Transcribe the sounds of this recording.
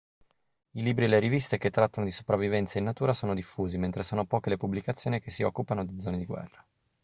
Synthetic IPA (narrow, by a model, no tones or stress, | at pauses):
iliːbɾieleɾivist̪eket̪ːɾat̪ːanod̪iso̥pɾavːivɛnt̪sainːat̪uːɾasoːnod̪ifːuːziment̪ɾesoːnopɔːkelepublikat̪sːjoːnikesːiɔkːupanod̪id̪zɔːned̪iɡwɛ̰rːa